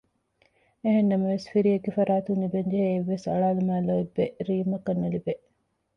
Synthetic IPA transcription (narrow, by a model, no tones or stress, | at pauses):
eɦenːɐmɐʋesfiɾiɐɡifɐɾaːt̪unibeɲd͡ʒɐɦeːʋːesɐ̰ɭaːlumæːloibːeɾiːmɐkɐnːelibeʔ